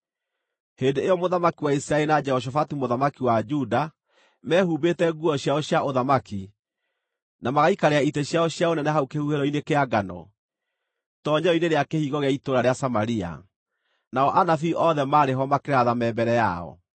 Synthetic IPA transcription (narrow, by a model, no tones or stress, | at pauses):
hendeejɔmoðamakiwaisiɾaeɾinad͡ʒɛhɔʃ̬ɔfatumoðamakiwad͡ʒuda | mɛːhubetɛɡuɔɕjaɔɕjaʔoðamaki | namaɣaikaɾeaiteɕjaɔɕjaonɛnɛɦaukehuheɾɔinekeaɡanɔ̰ | tɔɲɛɔineɾeakehiːɣɔɣeaitoɾaɾeasamaɾia̰ | naɔʔanafiʔɔðɛmaɾeɦɔmakeɾaðamɛmbɛɾɛjaɔ̰